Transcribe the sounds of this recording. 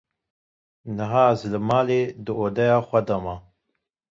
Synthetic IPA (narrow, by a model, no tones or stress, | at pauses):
nɨɦaːzləmaːleːd̪ɨoːd̪ɛjaːxʷɐd̪ɐma